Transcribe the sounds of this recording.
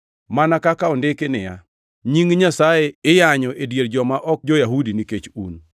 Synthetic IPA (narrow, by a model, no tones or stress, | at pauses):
manakakaondekenɪja̰ | ɲiŋɲasajeɪjaɲɔʔedjeɾd͡ʒɔmaʔɔk̚d͡ʒojaɦudiniket͡ʃun